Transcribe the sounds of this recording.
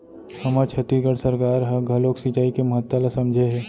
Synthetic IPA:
hɐmat͡ʃʰɐt̪iɡəɽsəɾkaːɾɦɐɡʱɐloːksit͡ʃaːikemɐɦət̪ːəlasɐmd͡ʒʱeɦɛː

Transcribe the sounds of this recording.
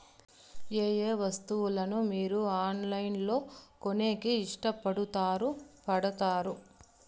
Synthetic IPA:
eːjeːʋɐst̪uʋulɐnumiːɾuaːnlɐjnlo̞ːkone̞ːkiːʂʈɐpɐɽut̪aːɾupɐɽɐt̪aːɾu

